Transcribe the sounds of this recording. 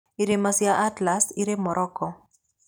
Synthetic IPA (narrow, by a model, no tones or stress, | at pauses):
iɾemasjaʔatlasiɾemɔɾʔɔkɔ